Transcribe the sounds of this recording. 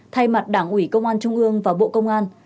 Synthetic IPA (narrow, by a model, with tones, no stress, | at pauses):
t̪ʰa˧jma˨˩t̚ɗaː˧˩ŋʔwi˧˩kə˧wŋ͡mʔaː˧nt͡ɕʊ˧ŋ͡mʔɨ˧əŋvaː˨˩ɓo̰˧˨kə˧wŋ͡mʔaː˧n